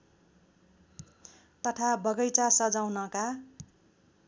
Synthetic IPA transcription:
t̪ʌʈʰabʌɡʌjt͡sasʌd͡zawnʌka

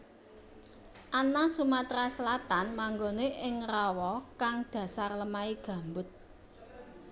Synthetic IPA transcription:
ʔanasumat̪ɾasəlat̪anmaŋɡoneʔɪŋrawɔkaŋd̪̥ä̤sarləmaiɡ̥ä̤mbʊt̪̚

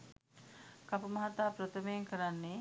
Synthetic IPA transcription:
kapumɐɦat̪aːprət̪ʰəmejeŋkəɾanːe

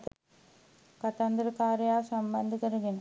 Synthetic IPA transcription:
kɐt̪ːɐnd̪ɾɯkːaːɾɐjaːsɐmbɐnd̪ɯkɐɾɯɣɪn

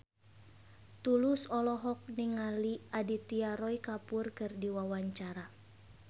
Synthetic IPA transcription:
t̪ulusɔlɔɦɔk̚niŋaliʔadit̪iaɾɔikapʊrkɨrdiwawaɲt͡ʃaɾa

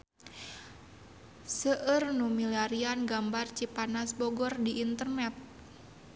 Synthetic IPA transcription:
səʔərnumiliaɾianɡambart͡ʃipanasbɔɡɔrdiʔːnt̪ərnɛt̪̚

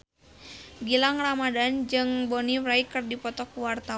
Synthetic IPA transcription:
ɡilaŋramadand͡ʒɨŋbɔnimraikɨrdipɔt̪ɔkuwart̪a

